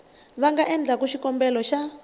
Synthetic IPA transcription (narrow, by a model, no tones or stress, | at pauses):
βaŋɡaʔɛnd͡ɮakuʃikɔmbɛlɔʃa